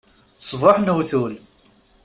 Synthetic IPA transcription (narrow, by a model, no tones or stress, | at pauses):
sˤvɑħnəwθul